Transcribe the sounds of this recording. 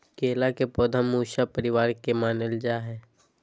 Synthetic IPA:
keːlakepoːd̪ʱəmːuːʃapəɾɪʋaːɾkemaːnəld͡ʒaːɦɛː

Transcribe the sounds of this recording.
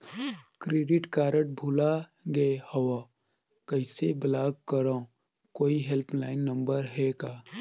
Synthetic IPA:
kɾeːɖɪʈkaːɾəʈ̚bʱulaɡehɔwa | kəɪseblaːɡkəɾa | koːiɦelpʰlaːɪnːə̃mbəɾɦɛkaː

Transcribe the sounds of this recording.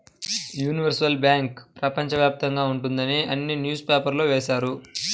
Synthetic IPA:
juːniʋɐɾsɐlbjaːŋkpɾɐpɐɲt͡ʃɐʋjaːp̚t̪ɐŋɡaːuɳʈund̪ɐniɐnːinjuːspeːpɐɾlo̞ːʋɛːʃaːɾu

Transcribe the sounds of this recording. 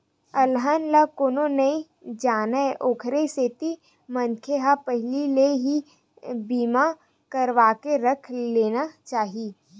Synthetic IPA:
ɐlɦənlakoːnonɐĩ | d͡ʒaːnəʔoːkʰɾeseːt̪i | mɐ̃nkʰeɦapəɦlileɦi | biːma | kɐɾʋaːkeɾɐkʰleːnat͡ʃaːɦiiː

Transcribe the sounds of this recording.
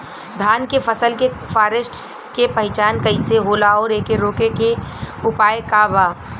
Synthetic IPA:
d̪ʱaːnkefəsəlkefaːɾəsʈ | kepɐɦɪt͡ʃaːnkɐɪseɦoːlaɔːɾeːkeɾoːkekeʊpaːjkabaː

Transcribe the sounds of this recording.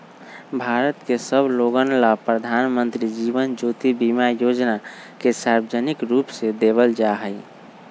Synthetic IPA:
bʱaɾət̪kesəbʱloɡənlapɾəd̪ʱanmənt̪ɾid͡ʒibənd͡ʒot̪ibimajod͡ʒna | kesaɾbd͡ʒənikɾupsed̪eβəld͡ʒaɦəj

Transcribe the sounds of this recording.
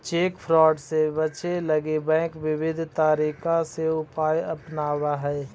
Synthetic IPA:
t͡ʃeːkpʰɾɔːɖsebət͡ʃeləɡebɛ̃ːkʋɪʋɪd̪ʱt̪aːɾiːkʰaseʊpaːjɐpnaːwaɦɛː

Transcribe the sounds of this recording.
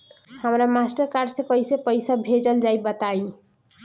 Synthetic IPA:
həmɾamasʈəɾkaɾɖsẽkʌjsepəjsabʱed͡ʒəld͡ʒajbət̪aj

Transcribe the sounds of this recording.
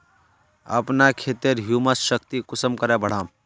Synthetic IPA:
ə̰pnakʰet̪eɾɦjuməsʃəkt̪ikʊsəmkəɾɛbəɽ̤aːm

